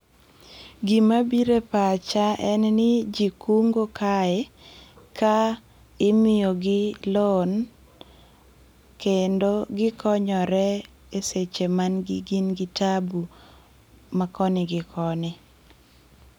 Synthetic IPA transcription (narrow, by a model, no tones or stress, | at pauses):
ɡimabiɾepat͡ʃaʔɛnnɪd͡ʒikuŋɡokaɛka | ɪmɪjoɡɪlon | kendoɡɪkɔɲɔɾɛ | eset͡ʃemanɡɪɡinɡɪtabu | makɔnɪɡɪkʰɔnɪ